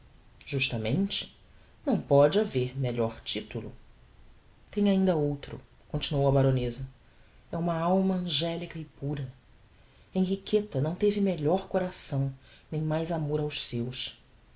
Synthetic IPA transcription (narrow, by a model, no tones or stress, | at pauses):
ʒ̥uʃt̪ɐmẽnt͡ʃɪ̥ | nɐ̃w̃pɔd͡ʒɪaveɾmeʎɔɾt͡ʃit̪ulʊ̰ | t̪ẽj̃aĩnd̪ɐowt̪ɾʊ̰ | kõnt͡ʃinuowɐbaɾõnezɐ | ɛũmɐawmɐɐ̃ʒɛlikɐɪpuɾɐ | ẽj̃ɦikʰet̪ɐnɐ̃w̃t̪evɪmeʎɔɾkoɾasɐ̃w̃nẽj̃majzamoɾawʃsewʃ